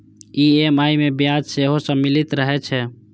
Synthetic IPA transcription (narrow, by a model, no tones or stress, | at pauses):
iemajmebjad͡ʒseɦosə̃milit̪ɾəɦɛt͡ʃʰɛ